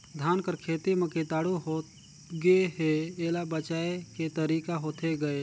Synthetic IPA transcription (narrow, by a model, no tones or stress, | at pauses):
d̪ʱaːnkəɾkʰeːt̪eməket̪aːɽuɦoː | ɡeɦeeːlabət͡ʃaːeket̪əɾiːkaɦoːt̪ʰeɡəe